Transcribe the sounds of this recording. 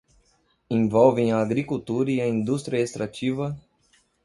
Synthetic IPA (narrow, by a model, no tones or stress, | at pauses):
ẽvɔwvẽj̃ɐːɡɾikuwt̪uɾɐiɐĩnd̪ust̪ɾiɐest̪ɾat͡ʃivɐ